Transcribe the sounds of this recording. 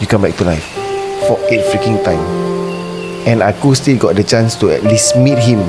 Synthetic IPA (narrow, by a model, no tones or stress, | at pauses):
jukãmbɛk̚tulaɪffɔet̚fɹikĩŋtãɪ̃m | ɛ̃najkustilɡɔt̚dət͡ʃãnstuɛ̰ʔ̚lismit̚ɦĩm